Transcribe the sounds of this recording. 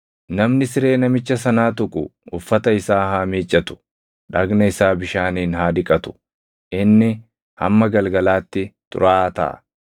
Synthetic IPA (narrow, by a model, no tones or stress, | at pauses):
nɐmnɪsɪɾe̞ːnɐmɪt͡ʃːɐsɐnaːt̪ʊkʼʊ̰ʊfːɐt̪ɐɪsaːhaːmiːt͡ʃʼːɐt̪ʊ̥ | ᶑɐɡnɐɪsaːbɪʃaːniːnɦaːd̪ɪkʼɐt̪ʊ̥ | ʔɪnːɪ | hɐ̰mːɐɡɐlɡɐlaːt̪ːɪt̪ʼʊ̰ɾaːt̪ɐ̰ʔɐ̰